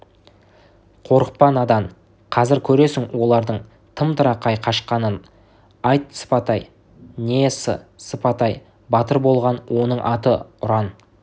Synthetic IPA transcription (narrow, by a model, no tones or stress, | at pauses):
qʰo̞ɾəq̚pɑnɑd̪ɑɴ | qʰɑzɪɾkʲʰɵɾe̞sɪŋwo̞lˠɑɾd̪əɴ | t̪ʰəmt̪ʰəɾɑqʰɑjqʰɑʃqɑnən | ɑjt̪sə̥pɑt̪ɑj | nesə̰səpɑt̪ɑj | bɑt̪əɾbo̞lˠʁɑnwʔo̞nəɴʔɑt̪əʊɾɑn